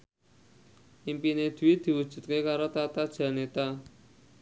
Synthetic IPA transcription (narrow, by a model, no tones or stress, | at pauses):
ʔimpined̪̥ṳwid̪̥i̤wud̥ʒ̥ṳt̪̚kekaɾot̪at̪ad̥ʒ̥a̤net̪a